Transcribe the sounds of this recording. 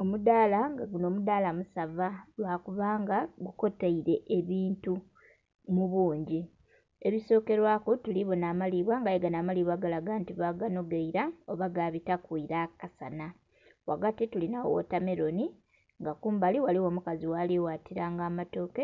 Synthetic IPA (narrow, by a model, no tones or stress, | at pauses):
omudaːlaŋɡaɡuno̞ːmudaːlamusavalwaːkuβaːŋɡaɡuko̞taiɾe̞ʔeβiːntu | muβuːɲɟi | e̞βiso̞ːke̞ɾwaːkotuliβo̞naːmaliβwaŋɡaeɡanamaliβwaɡalaɡaːntiβaɡano̞ɡeiɾaoβaɡaːβitakwiɾakasana | waɡatitulinao̰wo̰tame̞ɾo̞ni | ŋɡakuːmbaliwaliwo̞mukaziwaliwaːtiɾaːŋɡaːmato̞ːke